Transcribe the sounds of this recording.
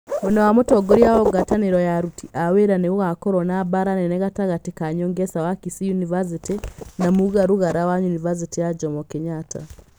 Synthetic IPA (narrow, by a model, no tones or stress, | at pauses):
onowamutoɡoɾjaoɡataniɾojaɾutiʔaweɾaneuɣakoɾonabaɾaneneɣataɣatikaɲoːŋɡesawakisijunivaz̬itinamuɣaɾuɣaɾawajunivaz̬itijad͡ʒɔmokiɲatʰa̰